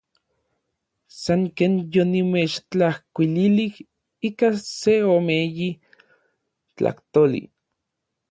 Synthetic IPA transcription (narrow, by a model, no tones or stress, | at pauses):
saŋkeːnjonimeːt͡ʃt͡ɬahkʷililih | ikaseomeji | t͡ɬa̰ht̪olḭ